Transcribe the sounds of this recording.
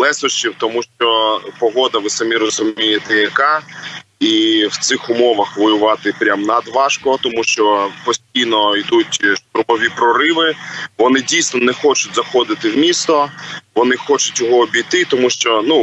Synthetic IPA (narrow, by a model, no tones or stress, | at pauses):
lˠɛsɔʃt͡ʃiwt̪ɔmuʃt͡ʃɔpɔɦɔd̪ɐʋɪsɐmʲiɾɔzʊmʲijet̪ɛjɐkɑ | iwt̪sɪxʊmɔʋɐxʋɔjʊʋɑt̪ɪpɾʲamnɐd̪ʋɑʃkɔt̪ɔmuʃt͡ʃɔpɔsʲtʲijnɔid̪utʲʃt̪ʊɾmɔʋʲipɾɔɾɪʋɪʋɔnɪdʲijsnɔnɛxɔt͡ʃʊtʲzɐxɔd̪ɪt̪ɪwmʲist̪ɔʋɔnɪxɔt͡ʃʊtʲjɔɦɔːbʲijt̪ɪt̪ɔmuʃt͡ʃɔnu